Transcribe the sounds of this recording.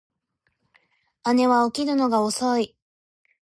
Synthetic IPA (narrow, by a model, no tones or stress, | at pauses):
ane̞βaokʲinɯno̞ɡaoso̞i